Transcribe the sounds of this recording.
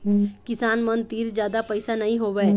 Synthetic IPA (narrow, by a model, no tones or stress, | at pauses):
kɪsaːnmənt̪iːɾd͡ʒjaːd̪apəɪsanɐɦĩɦoːʋɛ